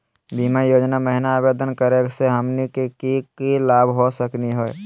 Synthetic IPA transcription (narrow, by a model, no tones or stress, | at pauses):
biːmajoːd͡ʒnaməɦɪnaːbeːd̪ənkəɾekseɦəmnikekikilaːbɦosəkniɦoɛ